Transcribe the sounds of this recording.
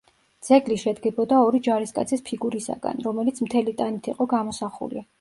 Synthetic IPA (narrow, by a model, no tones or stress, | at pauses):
d̪z̥ɛɡliʃɛd̪ɡɛbɔd̪aɔɾid͡ʒaɾiskʼa̰t̪sʰispʰiɡuɾisa̰ɡ̥a̰nɾɔmɛlit̪sʰmt̪ʰɛlit̪ʼanit̪ʰiqʼɔɡamɔsaχṵlḭ